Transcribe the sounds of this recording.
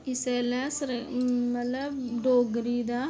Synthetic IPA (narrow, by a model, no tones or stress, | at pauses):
ɪsɛːlɛːsəɾmət̪ləbɖoːɡɾiːd̪aː